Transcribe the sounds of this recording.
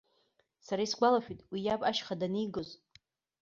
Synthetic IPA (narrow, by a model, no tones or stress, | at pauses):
saɾaisɡʷalaʃᶣitʼwijapʼaʃχadanijɡoz